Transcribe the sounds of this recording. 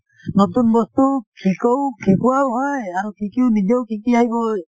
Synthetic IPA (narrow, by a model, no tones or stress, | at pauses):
nɔt̪unbɔst̪ukʰikɔwkʰikuwawɦɔjaɾukʰikiwnid͡ʒɔwkikiaɦjbɔj